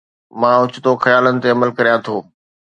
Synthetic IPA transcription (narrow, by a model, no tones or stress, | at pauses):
mãːʊt͡ɕɪt̪oxɐjaːlənɪ̆t̪eɐməlkɐɾijãt̪ʰoː